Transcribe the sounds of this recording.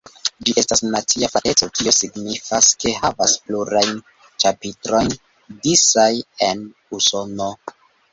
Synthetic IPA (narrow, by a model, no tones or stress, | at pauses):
d͡ʒiʔe̞stasnat͡siafale̞t͡so̞kio̞siɡnifaske̞ɦavaspluɾajn | t͡ʃapitɾo̞jn | disaje̞n | uso̞no